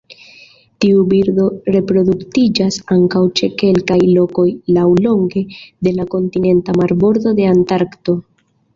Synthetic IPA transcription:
tiubiɾdo̞ɾe̞pɾo̞d̪uktid͡ʒasaŋkawt͡ʃe̞ke̞lkajlo̞ko̞jlawlo̞ŋɡe̞de̞lako̞ntine̞ntamaɾbo̞ɾd̪o̞de̞antaɾkto̞

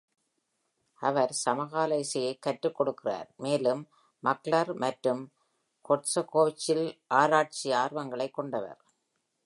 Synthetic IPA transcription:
ɐʋɐɾsɐmɐɣaːlɐɪsɪjɐɪkːɐʈrɯkːɔɽɯkːɪra̰ːɾmeːlɯmː | ɐklɐɾmɐʈɾɯm | kɔʈsɐkoːt͡ʃːɪlʔaːɾaːʈ̚t͡ʃiaːrʋɐŋɡɐɭɐɪkːɔɳɖɐʋɐ̰ɾ

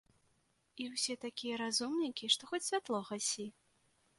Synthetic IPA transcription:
iwsʲɛt̪akʲijɐɾazumnʲikʲiʂt̪ɔxɔt͡sʲsʲvʲat̪lˠɔɣasʲi

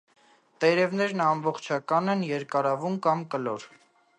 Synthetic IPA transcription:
t̪ɛɾɛvnɛɾnɑmbɔχt͡ʃʰɑkɑnɛnjɛɾkɑɾɑvumkɑmkəlɔɾ

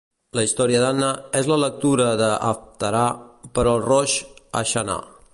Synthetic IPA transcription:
ləist̪ɔɾiəðanəɛzlələk̚t̪uɾəðəə̰ft̪əɾapəɾɔːlˠrɔʃə̰ʃəna̰

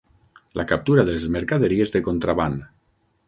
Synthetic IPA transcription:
lʔakap̚t̪uɾaðelzmeɾkaðeɾiezðekont̪ɾaβan

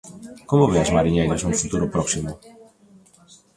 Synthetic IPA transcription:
kɔmʊveazmaɾiɲejɾɐznũfut̪uɾʊpɾɔksimʊ

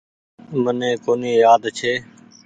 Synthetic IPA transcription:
mənẽːkoːniːjaːd̪t͡ʃʰeː

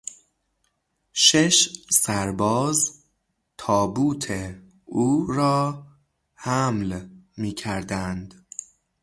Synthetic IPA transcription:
ʃeʃsæɾbɒːz | t̪ʰɒːbuːt̪ʰe | uːɾɒː | hæmlmiːcʰæɾd̪ænd̪

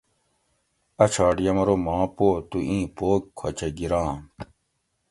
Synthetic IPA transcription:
ɐt͡ɕʰaːɖijɐmɐɾomãːpoːt̪uʔĩːpoːkkʰot͡ɕeɡiɾãː

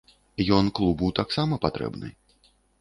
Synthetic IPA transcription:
jɔnklˠubɨwt̪aksamɐpat̪ɾɛ̰bnɨ̰j

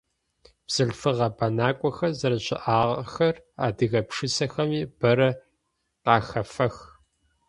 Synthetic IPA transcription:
b̥z̥ɨɮfɨʁɐbɐnaːkʷʼɔxɐzɐɾɐɕʼɪ̰ʔaːʁɐxɐraːdɨɣɐpʂɨsɐxɐmiːb̥ɐɾɐ | qɑːxɐfɐx

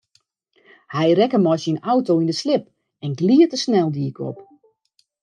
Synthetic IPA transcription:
hɛjɾɛkəmɔsinawtoindəslɪp̚ | ɛnɡliətəsnɛlˠdiəkʰɔ̰p

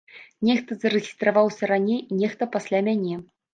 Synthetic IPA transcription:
nʲɛxt̪ɐzɐɾɛɣʲist̪ɾavawsʲɐɾanʲejinʲɛxt̪ɐpasʲlʲamʲanʲɛ

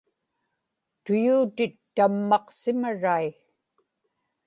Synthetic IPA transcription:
t̪ʊjuːt̪ɪt̪ːamːɑqsɪmaɻai

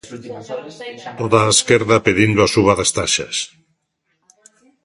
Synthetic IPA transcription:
t̪oðaːskeɾðapeðind̪oasuβ̞aðast̪aʃa̰s

